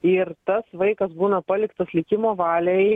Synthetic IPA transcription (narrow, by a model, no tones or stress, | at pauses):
ɪɾt̪ɐsʋɐɪkɐsbuːnɐpɐlʲɪkt̪ɐslʲɪkʲɪmoːʋɑːlʲɛ